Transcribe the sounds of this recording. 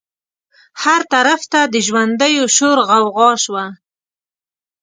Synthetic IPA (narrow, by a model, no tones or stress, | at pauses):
haɾt̪aɾaft̪ad̪əʒwand̪əjoʃoɾɣawɣɑʃwa